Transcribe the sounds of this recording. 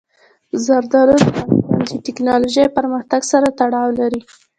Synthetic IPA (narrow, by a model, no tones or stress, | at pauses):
zaɾd̪ɑɾoɾanand̪əʈɪknɑloʒajpəɾməxt̪aɡsaɾat̪aɽɑwlaɾi